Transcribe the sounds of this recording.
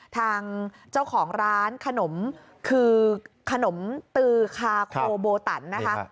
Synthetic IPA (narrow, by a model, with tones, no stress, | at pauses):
t̪ʰaː˧ŋ | t͡ɕa˥˩wkʰɔː˩˦ŋɾaː˦˥nkʰa˧no˩˦m | kʰɯː˧kʰa˧no˩˦mt̪ɯː˧kʰaː˧kʰoː˧boː˧t̪a̰˩˦nːa˦˥kʰa˦˥